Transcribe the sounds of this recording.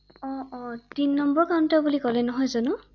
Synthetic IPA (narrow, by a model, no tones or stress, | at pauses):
ɔɔtinːɔmbɔɹkamtabulikɔlɛnɔɦɔjzanʊ